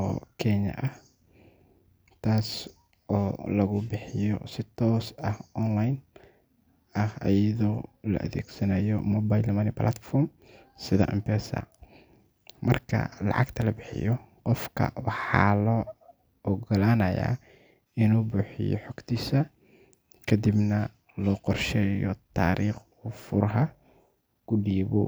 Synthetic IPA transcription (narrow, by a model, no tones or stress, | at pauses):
ɔːkʰɛnɐ̰ʔɐh | t̪ʰaːs | ɔːlɐɣʊbɪħɪjɔ̰sɪt̪ʰɔːsɐhɔnlajn | ɐhɐ̰jɐðɔːlɐ̰ʔɐ̰ðɛːɡsɐnɐjɔmɔːbajlmɐːnɪplʔa̰t̪fɔrm | sɪðɐ̰ʔɐmpɛːsɐ̰ | mɐrkʰɐ̰lɑ̰ʕɑɡt̪ʰɐlɐbɪħɪ̰jɔqɔfkʰɐ̰wɑħɑːlɔ | ʔɔɡɔlaːnɐja̰ː | ɪnuːbʊːħɪjɔ̰ħɔɡt̪ʰiːsɐ | kʰɐd̪ibnɐ | lɔːqɔrʃɛːjɔ̰t̪ʰaːɾʔiːχ | ʊfʊrɦɐ | ɡ̥ʊɖiːβɔ